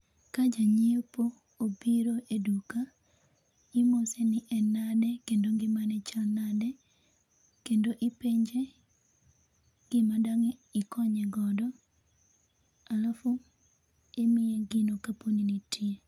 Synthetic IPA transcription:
kad͡ʒaɲiopoː | biɾoʔeduka | ɪmosenɪʔɛnadɛkendoŋɡɪmanɛt͡ʃanadɛ | kendoʔɪpeɲd͡ʒe | ɡ̥ɪmadaŋeɪkɔɲɛɡɔdɔ | alafʊ | emɪɛɡɪnokaponinitie

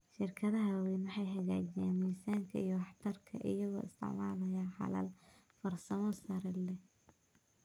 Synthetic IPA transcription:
ʃɪrkʰɐðɐɦɐwɛːnwɑħɑjɦɐɣaːt͡ʃɪjaːnwijsaːŋkʰɐ̰ijɔwɑħt̪ʰɐrkʰɐ̰ʔɪ̰jɐɣɔ̰ːɪ̰st̪ʰɪ̰ʕmaːlɐjaːħɑ̰lɐ̰l | fɐrsɐmɔsɐɾɛlɛ

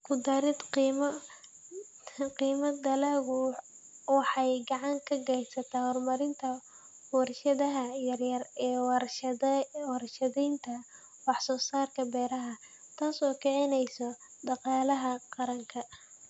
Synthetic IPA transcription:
kʰʊd̪ɐɾɪd̪qimɐ | qiːmɐd̪ɐlɐːɣʊ | wɑħɑjɡɑʕɑŋkʰɐɡɛjsɐt̪ʰaːhɔrmɐɾɪnt̪ʰɐ | wɑrʃɐðɐɦɐjɐrjɐrɛːw | wɑrʃɐðɛjnt̪ʰɐ | wɑħsɔːsaːrkʰɐbɛːɾɐɦɐ | t̪ʰaːsɔːkʰɛʕɪnɛjsɔɖɑqɑːlɐɦɐqɑɾɐŋkʰɐ

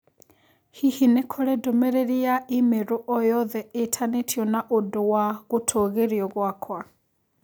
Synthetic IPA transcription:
hihinekʰɔɾɛdomɛɾeɾiaimeɾoʔɔjɔðɛetʰanetʰjɔnaʔodowaɣotʰoɣeɾiɔɣwakʰwa

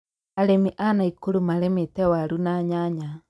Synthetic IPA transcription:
aɾemiʔanaikoɾumaɾɛmetɛwaɾunaɲaɲa

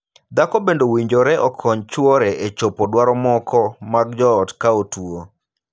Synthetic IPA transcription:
d̪akɔbendowiɲd͡ʒoɾɛʔɔkʰɔɲt͡ʃwɔɾɛʔet͡ʃopodwaɾɔmɔkɔmaɡ̚d͡ʒɔːtkaotwo

